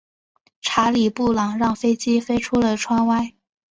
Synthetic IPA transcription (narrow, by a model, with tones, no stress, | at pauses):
ʈ͡ʂʰa˧˥li˨˩pu˥˩lɑ˨˩ŋɻɑ˥˩ŋfe˥ɪt͡ɕi˥fe˥ɪʈ͡ʂʰu˥lə˨ʈ͡ʂʰwa˥nwa˥˩ɪ